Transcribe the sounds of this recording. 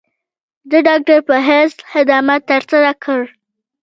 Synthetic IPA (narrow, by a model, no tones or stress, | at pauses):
d̪əɖɑk̚ʈaɾpəɦeshɪd̪amat̪ːəɾsaɾakʰəɽ